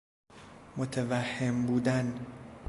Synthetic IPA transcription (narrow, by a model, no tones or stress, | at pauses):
mot̪ʰevæhːembuːd̪æn